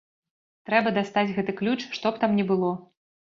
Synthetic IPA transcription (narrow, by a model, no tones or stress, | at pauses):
t̪ɾɛbɐd̪ast̪ad͡zʲɣɛt̪ɨklʲut͡ʂʂt̪ɔpt̪amnʲɛbɨlˠɔ